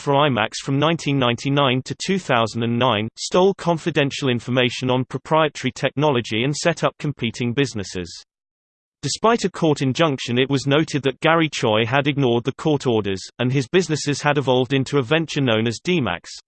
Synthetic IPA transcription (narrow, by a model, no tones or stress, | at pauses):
fɹaɪma̰ksfɹə̃mnãɪ̃ntʰĩnːãɪ̃ntʰinãɪ̃ntʰətʰʉːθaʊzə̃n̩də̃nːãɪ̃nstoʊlˠkʰɒ̃ɱfɪdɛ̃nʃəlˠɪ̃ɱfəmeɪʃə̃nə̃npʰɹ̥əpʰɹ̥aɪətəɹitʰɛk̚nɒlˠəd͡ʒiə̃nsɛtʰʌp̚kʰə̃mpʰiˑtʰɪ̃ŋbɪznɪsɪ̰z̥ | d̥ɪspaɪtəkʰɔˑtɪ̃nd͡ʒʌ̃ŋkʃə̃nɪʔwɒznoʊtʰɪd̪̚ðət̚ɡ̥aɹit͡ʃʰɔɪəɾɪɡ̚nɔːd̪̚ðəkʰɔˑtʰɔɹdəz̥ə̃nɪzbɪznɪsɪz̥əɾɪvɒlˠvdɪ̃ntʰuəvɛ̃nt͡ʃənə̃ʊ̃nəzdiːma̰ks